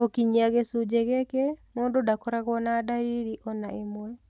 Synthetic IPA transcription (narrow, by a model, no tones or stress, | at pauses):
okiɲiaɣesud͡ʒeɣekemoːndodakoɾaɣwɔnadaɾiɾiʔɔnaemwɛ